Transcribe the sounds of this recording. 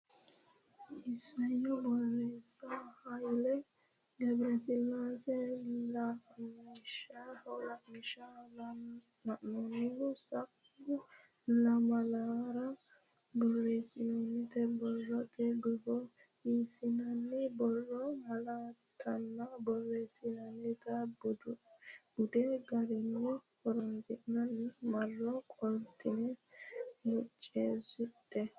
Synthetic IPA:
isajɔbɔrɛsahalɛ | ɡɛbɾɛsilːasɛla | iʃaɔlamiʃa | naʔnɔniɡusakː | u | lamalaɾa | bɔrːeːsɪnɔnːɪt̪ɛbɔrːɔt̪ʰʼɛdʊbɔ | iːsɪnɐnːɪbɔrːɔmɐlaː | t̪ʰːɐnːɐbɔrːeːsɪnɐnːɪt̪ɐ | b̥ʊd̪ɛɡɐɾɪnːɔhɔɾɔnzɪʔnɐnːɪmɐrːɔkʼɔlt̪ʰʼɪnɛ | mʊt͡ʃʼːeːsʊt̪ʼːɛ

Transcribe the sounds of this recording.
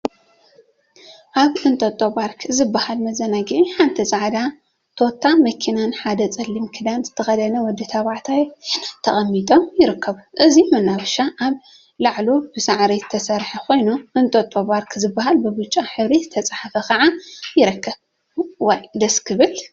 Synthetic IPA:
ʔaβʔɨnt̪ʼɐt̪ʼoβaɾkʰzɨbːahalmɐzɐnaɡiʕiħant̪ʰit͡sʼaʕd̪a | t̪ʰo̞t̪ʰːamɐkʰinanħad̪ɐt͡sʼɐlːimkʰɨd̪anzɨt̪ʰɐxɐd̪ɐnɐwɔd̪ːit̪ʰaβaʕt̪ʰajnat̪ʰːɐxʼɐmːit̪ʼo̞mjɪɾɨkʰːɐβuʔɨzimɐnːawɐʃaʔaβ | laʕlobɨsaʕɾit̪ʰɐsɐɾħɐkʰo̞jnuʔɨnt̪ʼɐt̪ʼːoβaɾkʰzɨbːaɦalbɨbɨt͡ʃʼaħɨβɾizɨt̪ʰɐt͡sʼaħafɐkʰɐʕajɪɾɨkʰːɐβ | wɐjd̪ɐskʰɨβɨl

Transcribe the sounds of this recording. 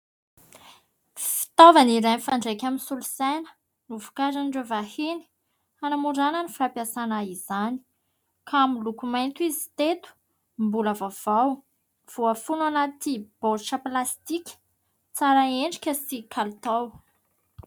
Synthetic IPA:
fi̥t̪ovaniɾajnfaɳɖ͡ʐejkʲaminsulusenə̥ | nuvu̥kazanɖ͡ʐevaheni̥ | anamuɖ͡ʐanənifapjasanaizani̥ | kʰamilukumajnt̪uizit̪et̪u̥ | mbulavav̥aw | v̥uafunuanat̪ib̥oʈ͡ʂəplast̪ikʲi̥ | t͡saɾaeɳɖ͡ʐikʲəsikʰalt̪aw

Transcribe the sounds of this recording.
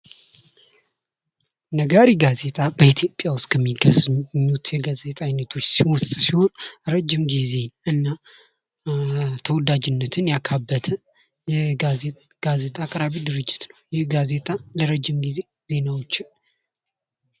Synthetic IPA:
nəɡaɾiɡaze̞t̪ʼabəit̪ʰjo̞pʼːjawʊst̪ʼkʰəmːiɡəzɲːut̪jɛɡaze̞t̪ʼajnːət̪ʰo̞t͡ʃːsiwʊst̪ʼsiho̞nɾəd͡ʒːɪmɡize̞ɨnːa | t̪ʰəwɔd̪ad͡ʒɪnːət̪ʰɨnjakʰabːət̪ʰə | jɛ | ɡ̥aze̞t̪ʼakʼɾaβid̪ɨɾɨd͡ʒːɪ̥t̪nəwjɪhɡazet̪ʼaləɾəd͡ʒːɪmɡize̞ | ze̞nawot͡ʃːɪ

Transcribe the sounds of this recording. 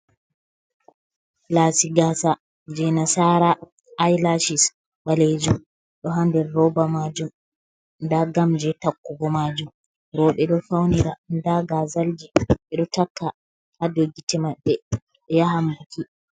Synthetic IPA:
lasiɡasa | d͡ʒɛnasaɾaː | jlaʃis | ɓaled͡ʒum | ɗɔɦandɛɾːɔbamad͡ʒum | ndaɡamd͡ʒɛtakːuɡɔmad͡ʒum | ɾɔɓɛɗɔfawniɾandaɡazald͡ʒiɓɛɗɔtakːa | hadoɡitɛmaɓːɛ | ɓɛjahambukʰi

